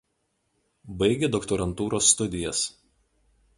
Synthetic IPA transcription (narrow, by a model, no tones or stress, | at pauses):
bɐɪɡʲed̪ɔkt̪ɔɾɐnt̪uːɾosːt̪ʊd̪ʲɪjɛs